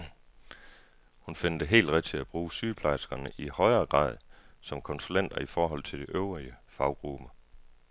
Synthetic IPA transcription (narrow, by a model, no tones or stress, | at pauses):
hunfenəd̥əɦe̝̰ːld̥ʁɛd̥̚t͡sʰe̝æb̥ʁuːsyːpʰlɑ̈ɪsɡ̥ɐnəʔihɒ̽ɪɐːɡ̥ʁɑ̰̈ːð̞ˠsɒ̽mkʰɔ̽nsulen̰d̥ɐifɒːɦɒ̽l̰t͡sʰe̝ld̥eʔøʊʁiəfɑ̈ʊɡ̥ʁub̥ɐ